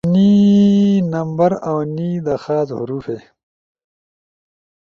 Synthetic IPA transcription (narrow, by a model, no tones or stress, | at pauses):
niː | nɐmbɐɾawniːd̪ɐxaːzhṵɾuːfeː